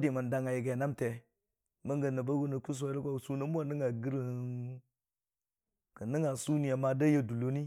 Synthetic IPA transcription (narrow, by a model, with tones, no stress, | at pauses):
di˨ma˨n˨da˨ŋa˨ji˨ɡe˨na˦mte˨ | ma˦ŋɡa˨na˨ba˦ɡu˦na˨ku˦s̬a˦lkʷa˦˨su˦na˦mu˦a˦nə˦ŋa˨ɡi˦ɾh | kə˨nə˦ŋa˨su˦ni˨ja˨ma˨da˦ja˦du˨lo˦ni˦